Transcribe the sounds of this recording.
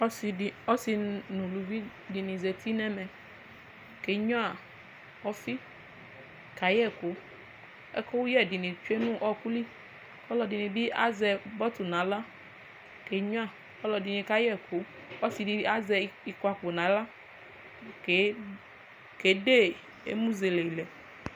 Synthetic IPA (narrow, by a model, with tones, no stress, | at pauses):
ɔ˦si˨i˨ɔ˦si˨˧nũ˨lu˨vi˦ | di˨nĩ˨zɛ˨t̪i˦nɛ˦mɛ˨ | ke˨˦ɲɔ̃˦a˨ | ɔ˦fi˦ | ka˨jɛ˦kʊ˨˦ | ɛ̰˦kɔ˦wu˦jɛ˦˨di˨nĩ˨t͡ʃu˦e˦nũ˦ʔɔ˦ku˦li˦ | kɔ˦lɔ˨di˨nĩ˨bi˦ʔa̰˦zɛ˨bɔ˦t̪u˨nã˨˦la˦ | ke˨ɲɔ̃˦a˨ | kɔ˦lɔ˨di˨nĩ˨ka˦jɛ˦kʰo˨˦ | ɔ˦si˨di˨˦a˦zɛ˨i˨kwa˨k͡po˨nã˨˦la˦ | ke˨ | ke˨˦de˦˨ | ḛ˦mũ˦ze˨le˨i˨lɛ˨